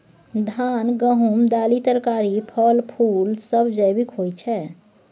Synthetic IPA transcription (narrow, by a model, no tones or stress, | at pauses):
d̪ʱaːnɡəɦumd̪aːlit̪əɾkaɾipʰəlpʰuːlsəbd͡ʒəjbikɦojt͡ʃʰɛ